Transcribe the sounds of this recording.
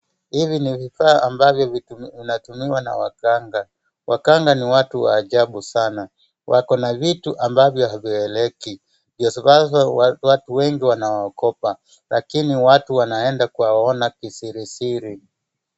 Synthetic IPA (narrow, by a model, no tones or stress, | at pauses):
hivinivifaːʔambavjɔviinatumiwana̰wa̰kaŋɡa | wakaŋɡaniwatuwa̰ːʄaɓusana | wʔa̰kɔnavituʔambavjɔɦaviɛlɛki | vjɔsaβazwatuwɛŋɡiwanawaɔkɔpa | lakiniwatuwanaɛndakuwaɔnakisiɾisiɾi